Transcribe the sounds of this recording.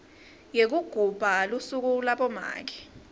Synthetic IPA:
jek̬uɡ̥ʱub̥ʱalusuk̬ulaɓɔma̰ːk̬ɛ̥

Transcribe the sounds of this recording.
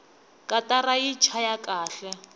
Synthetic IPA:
kʼatarait͡ʃʰajakʼaːɬɛ

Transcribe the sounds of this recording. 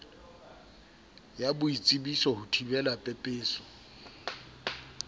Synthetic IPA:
jabʊit͡sʼibisɔhʊtʰibɛlapʼɛpʼeːsɔ̥

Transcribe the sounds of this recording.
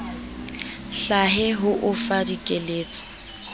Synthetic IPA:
ɬaɦɛɦʊʔʊfadikʼeleːt͡sʼɔ̥

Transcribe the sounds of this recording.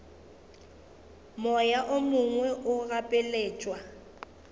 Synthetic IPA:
mɔjaʔʊmʊŋwɛʔʊɣapʼɪleːt͡ʃʼwa

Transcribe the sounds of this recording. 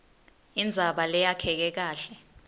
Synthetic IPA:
ind͡zʱaɓalɛjakʰɛk̬ɛk̬aːɬɛ

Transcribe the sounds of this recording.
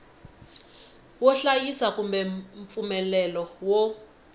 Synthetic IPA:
wɔɬajisakumbɛɱp̪fumɛlɛlɔwɔ

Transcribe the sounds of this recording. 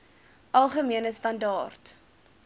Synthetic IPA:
ʔɐlˠχəmiənəstɐndɑːrt

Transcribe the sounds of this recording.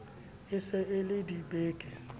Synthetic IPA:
ɪsɪʔɪlɪdibeːkʼɛ

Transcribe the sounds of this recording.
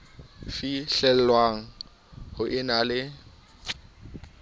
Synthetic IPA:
fiɬɛl̩lwaŋ̩ | hʊʔɪnalɪ

